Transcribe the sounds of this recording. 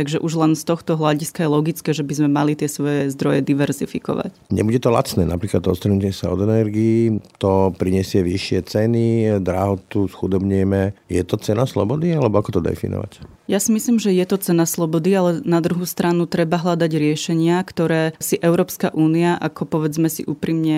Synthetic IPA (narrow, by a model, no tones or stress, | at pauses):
t̪aɡʒɛʔuʒlɛnst̪ɔxt̪ɔɦlaɟiskajɛlɔɡit͡skɛːʒɛbizmɛmalit̪ɪɛsʋɔjɛzd̪ɾɔjɛd̪iʋɛɾzifikɔ̰ʋa̰cɲɛ̰buɟɛt̪ɔla̰t͡snɛːna̰pɾiːklat̪ɔst̪ɾɛnucɛsa̰ɔ̰d̪ɛnɛɾɡiːt̪ɔpɾiɲɛsɪɛʋiʃːɪɛt͡sɛnid̪ɾaɦɔt̪usxud̪ɔbɲɛmɛjɛt̪ɔt͡sɛnaslɔ̰bɔd̪ialɛbɔakɔt̪ɔd̪ɛ̰fḭnɔ̰ʋa̰c | jasimisliːmʒɛjɛt̪ɔt͡sɛnaslɔbɔd̪ialɛnad̪ɾuɦuːst̪ɾanut̪ɾɛbaɦlad̪aɟɾɪɛʃɛɲɪakt̪ɔɾɛːsiʔɛʊɾɔːpska̰ʔuːniaʔakɔpɔʋɛd͡zmɛsḭʔuːpɾimɲɛ